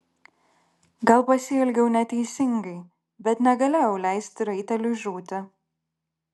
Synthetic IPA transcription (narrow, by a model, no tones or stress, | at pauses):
ɡɐlˠpɐsʲɪɛlʲɡʲɛʊnʲɛt̪ʲɛɪsʲɪŋɡɐɪ | bʲɛt̪nʲɛɡɐlʲɛːjɛʊlʲæɪsʲt̪ʲɪɾɐɪt̪ʲɛlʲʊʒʲuːt̪ʲɪ